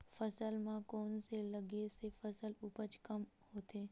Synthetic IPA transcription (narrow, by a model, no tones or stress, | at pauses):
fəsəlmãkoːnselɐɡesefɐsəlʊpət͡ʃkɐmhoːt̪ʰeː